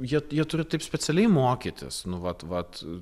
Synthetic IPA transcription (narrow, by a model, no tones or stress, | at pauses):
jiɛjiɛt̪ʊɾʲɪt̪ɐɪpsʲpʲɛt͡s̪ʲɛlʲɛɪmoːkʲit̪ʲɪ̰snʊʋɐt̪ʋɐt̪